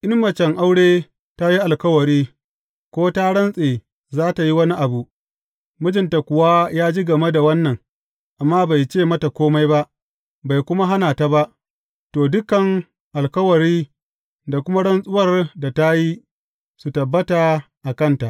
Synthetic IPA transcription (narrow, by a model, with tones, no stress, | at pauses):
ʔɪ˦mmɐ˨t͡ʃɛ˨ŋʔa˦wɽeː˦ | ta˦ji˦ʔa˨lkɐ˦wɐ˨ɾiː˦ | kʷoː˦ta˦ɽɐ˦nsʼeː˨ | zaː˦ta˨ji˦wɐ˦ni˦ʔa˨bu˨ʔ | mʊ˦d͡ʒɪ˨nta˨kʷʊ˨waː˦jaː˦d͡ʒi˦ɡɐ˨me˦da˨wɐ˦nːɐ˨ŋ | ʔa˨mːaː˦ba˨jt͡ʃeː˦˨mɐ˦ta˨kʷoː˦ma˦jba˦ʔ | ba˨jkʷʊ˦ma˦ɦa˦naː˨ta˦ba˦ʔ | toː˨dʊ˦kɐ˨ŋ | ʔa˨lkɐ˦wɐ˨ɾiː˦ | da˨kʷʊ˦ma˦ɽɐ˦nsʼʊ˦wɐ˦˨rda˨ta˦ji˦ | su˨tɐ˨bːɐ˦ta˨ | ʔa˨kɐ˦nta˨ʔ